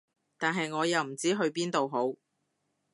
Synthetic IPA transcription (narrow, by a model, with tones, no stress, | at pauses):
t̪aː˨nɦɐ˨jŋɔː˨˧jɐ˨wm̩˨˩t͡siː˨˥ɦɵ˧ɥpiː˥nt̪o˨wɦo˨˥w